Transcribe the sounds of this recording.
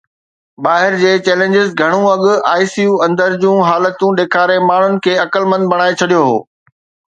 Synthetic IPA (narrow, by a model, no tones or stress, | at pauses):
baːɦɪɾd͡ʑeːt͡ɕɛːlẽːɲd͡ʑɪzɡʱɐɽ̃ũɐɠʊaːisijuːɐ̃nd̪əɾd͡ʑũːɦaːlət̪ũɗeːkʰaːɾemaːɳ̤ʊnɪ̆kʰeːɐkəlmɐ̃nd̪̚bɐɽ̃aːet͡ɕʰɐɗijoɦo̰ː